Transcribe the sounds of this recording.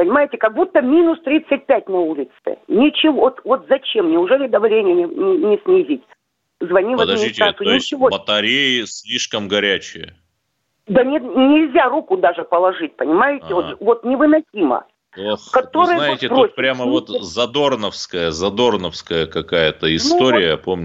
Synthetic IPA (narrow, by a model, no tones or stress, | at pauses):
pənʲɪmajɪtʲɪkɐɡ̚but̪ːəmʲinʊst̪ɾʲit̪sɨt̚ʲpʲæt̚ʲnɐulʲɪt̪sɨ̰nʲɪt͡ɕɪvo̞t̪vo̞t̪zɐt͡ɕemnʲɪʊʐɛlʲɪd̪ɐvlʲenʲɪjənʲɪnʲɪnʲɪsʲnʲɪzʲitʲ | zvɐnʲivəd̪ɐitʲasʊonɪɪt͡ɕʲɪvobət̪ɐɾʲejɪsʲlʲiʂkəmɡɐɾʲæt͡ɕɪ̰jə̰ | d̪ənʲɪnʲɪlʲzʲarukʊd̪aʐɨpəlˠɐʐɨt̚ʲpənʲɪmajɪtʲɪvot̪vo̞t̪nʲɪvɨnɐsʲimə̰ | okɐt̪o̞ɾɨjənaɪt̪ʲɪprosʲpɾʲaməvot̪zɐd̪o̞rnəfskəjəzɐd̪o̞rnəfskəjəkɐkajət̪əɪsnt̪o̞ɾʲɪjəpo̞mnʲ